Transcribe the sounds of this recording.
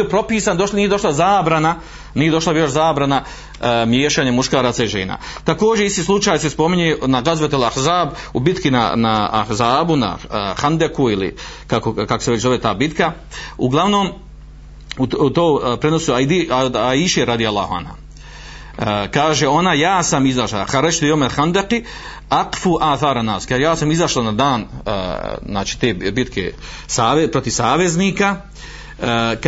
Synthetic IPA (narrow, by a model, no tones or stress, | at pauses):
iopɾo̞piːsand̪onijed̪o̞ʃlazaːbɾana | niːjeo̞ʃlabijoʃzaːbɾana | mjeːʃaːɲemuʃkaːɾat̪saiʒḛːna̰t̪ako̞ːd͡ʑeist̪iːslˠut͡ʃaːjsespo̞miɲeːnaɡazʋet̪elahzaːb | ubit̪kina̰na̰a̰hzaːbuna̰xand̪ekuilḭ | kakokako̥seet͡ɕzo̞ʋet̪aːbit̪ka | uɡlˠaʋno̞ːm | ut̪oːpɾeno̞suad̪iaiʃeɾad̪ialˠːa̰ːhua̰nha̰ | kaːʒeo̞najaːsamizaʃlaxaɾad͡ʒt̪ijomelxand̪eqi | aqfuːʔaːθaːɾanːaːskaːʒejaːsamizaʃlˠanad̪aːn | znaːt͡ʃi̥t̪eːbit̪kʰḛ | saːepɾo̞t̪iʋsaːʋe̞zniːka